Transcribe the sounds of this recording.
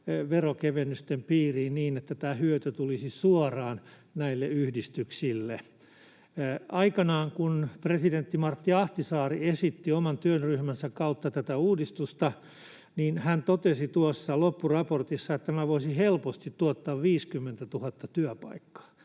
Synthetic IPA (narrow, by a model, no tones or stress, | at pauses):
ʋerokeʋenyst̪empiːriːnniːnet̪ːæt̪æːhyøt̪øt̪ulisisuɔrɑːn | næilːeyhdist̪yksilːe | ɑikɑnɑːŋkunpresident̪ːimɑrt̪ːiɑht̪isɑːriesit̪ːiomɑnt̪yønryhmænsækkɑut̪ːɑt̪æt̪æuːdist̪ust̪ɑ | niːnhænt̪ot̪esit̪uosːɑlopːurɑport̪isːɑet̪ːæmæʋoisihelpost̪it̪t̪uot̪ːɑːʋʋiːskymːent̪æt̪uhɑt̪ːɑt̪yæpɑ̰ikːɑ̥ː